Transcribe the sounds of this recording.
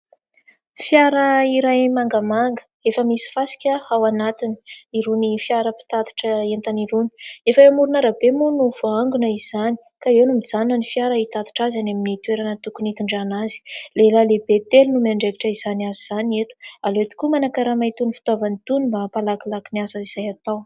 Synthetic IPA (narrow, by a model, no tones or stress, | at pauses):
fjaɾəiɾajmaŋɡəmaŋɡə̥ | efəmisi̥fasi̥kʲahawanat̪ini̥iɾunifiaɾəpi̥t̪at̪i̥ʈ͡ʂəent̪aniɾuni̥efəemuɾunəɾabemunuv̥oaŋɡunəiz̥ani̥ | kaewnumid͡zanunənifiaɾəit̪at̪i̥ʈ͡ʂazanaminit̪ueɾanət̪ukunit̪uɳɖ͡ʐanazi̥lelalebet̪elunumaɳɖ͡ʐeviʈ͡ʂəiz̥aniaziz̥aniet̪u̥aloet̪u̥kumanakaɾamat̪unifi̥t̪ovanit̪unumbapalakilakiniasaiz̥ajat̪aw